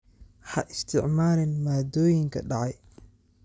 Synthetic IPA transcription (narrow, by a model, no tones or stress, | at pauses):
ħɐʔɪst̪ʰɪʕmaːɾɪnmaːd̪ɔːjɪŋkʰɐɖɑʕɑj